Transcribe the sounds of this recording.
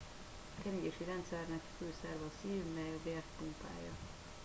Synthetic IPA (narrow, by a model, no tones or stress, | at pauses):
kɛniɟeʃiɾɛnt̪sɛrnɛkføːsɛrvɛsiːvmːɛjɒbeːrt̪pumpa̰ːjːɒ